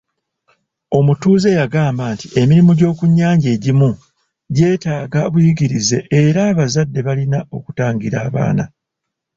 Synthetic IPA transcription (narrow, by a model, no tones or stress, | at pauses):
o̞mutuːze̞jaɡaːmbaːntiʔe̞miɾimuɟo̞ːkuɲːaːɲɟe̞ːɟimu | ɟe̞ːtaːɡaβujiɡiɾize̞ʔeɾaːβazadːe̞βalinao̞ku̥taːŋɡiɾa̰ːβa̰ːna̰